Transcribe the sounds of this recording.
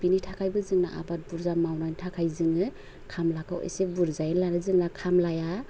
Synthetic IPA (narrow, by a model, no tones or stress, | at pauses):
binitʰakʰajbɯzɯŋnaʔa̰bat̚buɾzamawnanitʰakʰajzɯŋɯ | kʰamlakʰa̰wḛjsebuɾzajlanazɯŋnakʰamlaja